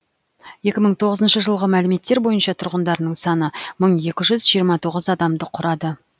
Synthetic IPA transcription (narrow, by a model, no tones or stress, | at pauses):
je̞kʲɪməɴt̪ʰo̞ʁəzənʃəʒəlˠʁəmælɪme̞t̪ːe̞ɾbo̞jənʃɑt̪ʰʊɾʁənd̪ɑɾənəɴsɑnəməɴje̞kʲɪʒʏzʒijəɾmɑt̪ʰo̞ʁəzɑd̪ɑmd̪əqʰʊɾɑd̪ə